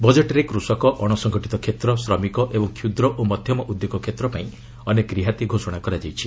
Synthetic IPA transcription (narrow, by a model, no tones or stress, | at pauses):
bɔd͡ʒeʈɔɾekɾusɔkɔʔɔɽ̃ɔsɔŋɡʱɔʈit̪ɔkʰet̪ɾɔsɾɔmikɔʔebɔŋkʰjud̪ɾɔʔomɔd̪ʱjɔmɔʔud̪joɡɔkʰet̪ɾɔpaĩ | ɔnekɾiɦat̪iɡʱosɔɽ̃akɔɾad͡ʒajt͡ʃʰi